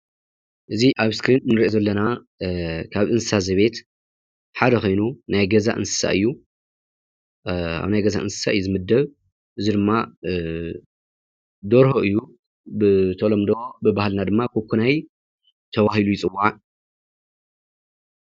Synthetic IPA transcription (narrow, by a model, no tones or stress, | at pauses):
ʔɨziʔaβskɾinnɨɾʔozɐlːɐna | kʰaβʔɨnsɨsazɐβe̞t̪ | ħad̪ɐxo̞jnunajɡɐza̰ʔɨ̰nsɨ̥sa̰ʔɨ̰jːu | a̰βnajɡɐza̰ʔɨnsɨ̥sa̰ʔɨjːuzɨmɨd̪ːɐβ | ʔɨzid̪ɨmːa | d̪oɾɦoʔɨjːu | bɨt̪ʰolomd̪obɨbahlnad̪ɨmːakʰokʰːunaj | t̪ʰɐβahilujɪt͡sʼɨwːaʕa